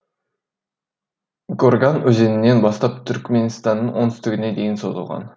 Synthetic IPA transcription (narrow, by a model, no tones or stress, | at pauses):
ɡorɡanɵze̞ninːe̞nbɑst̪ɑp̚t̪ʰʏɾkme̞nst̪ɑnːɯnʔonʏst̪yɡʲined̪e̞jinso̞zulˠʁɑ̰n